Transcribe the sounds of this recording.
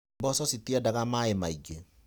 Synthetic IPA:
bɔsɔsitiadaɣamaemaiɡe

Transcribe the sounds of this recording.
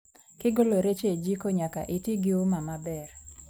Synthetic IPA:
kɪɡoloɾet͡ʃed͡ʒikoɲaka̰ʔitiɡɪumamabɛr

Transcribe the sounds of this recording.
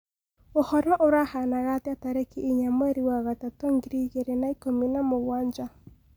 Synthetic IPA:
ohɔɾɔʔoɾahanaɣateataɾekiʔiɲamwɛɾiwaɣatatɔŋɡiɾiɣeɾenaikominamoɣwaːɲd͡ʒa

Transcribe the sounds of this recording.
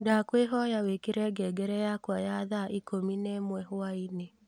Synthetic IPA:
dakweɦɔjawekeɾɛɡɛːɡɛɾɛjakwajaðaʔikominɛmwɛɦoaine

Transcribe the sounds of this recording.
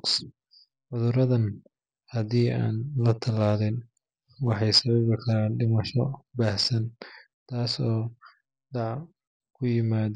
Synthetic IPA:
s | ʕʊðʊɾɐðɐn | hɐðiːa̰ːnlɐt̪ʰɐlaːðɛn | wɑħɑjsɐβɐβɪkʰɐɾaːnɖɪmɐʃɔbaːhsɐn | t̪ʰaːsɔː | ɖdɑʕ | kʰʊjɪmaːð

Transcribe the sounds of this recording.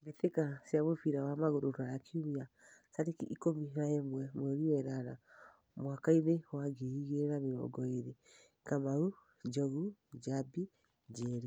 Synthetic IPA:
beθekasjaβofiɾawamaɣoɾoɾajakʰiumia | saɾekiʔikomiɦaemwɛmwɛɾiwɛɾaɾa | mwakainewaɡeiɣeɾameɾɔ̰ɡɔeɾe | kamaɾu | d͡ʒɔɣud͡ʒabi | d͡ʒɛɾi

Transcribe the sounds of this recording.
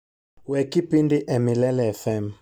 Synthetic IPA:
wɛkipindiʔɛmilɛlɛɛfɛm

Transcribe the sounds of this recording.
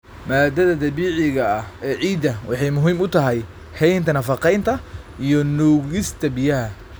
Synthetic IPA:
maːd̪ɐðɐd̪ɐβiːʕɪɣɐːhɛːʕiːd̪ɐwɑ̰ħɑjmʊɦiːmʊt̪ʰɐɦɛj | hɛjnt̪ʰɐnɐfɑqɛjnt̪ʰɐ | ijɔnuːɣɪst̪ʰɐbɪjɐɦɐ

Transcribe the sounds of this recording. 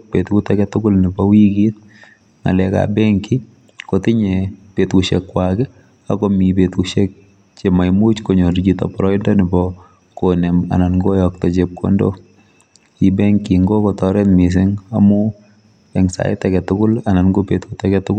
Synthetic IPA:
pet̪kutɛkɛtʊkʊlnɪbɔwiɡit̪̚ | ŋa̰lɛka̰bɛŋki | kotɪɲɛpetkuʃɛkːwakɛ | akɔmipetuʃek̚ | t͡ʃemajmut͡ʃkoɲoɾitɔ̰pɔɾɔɪndɔnɪbɔ | konɛma̰nanɡojɔk̚tɔt͡ʃep̚kʰo̰ndo̰ | ibɛŋkiŋɡokɔtɔɾɛtmis̬ɪŋamʊ | ɛŋsa̰ɪtɛkɛtʊkʊlananɡopet̪kutɛkɛtʊkʊ

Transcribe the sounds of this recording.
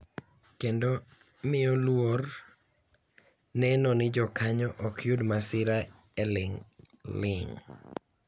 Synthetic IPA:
kendo | mɪolwor | nɛnɔnɪd͡ʒɔkaɲɔʔɔkʰjudmasɪɾaelɪŋ | lɪŋ

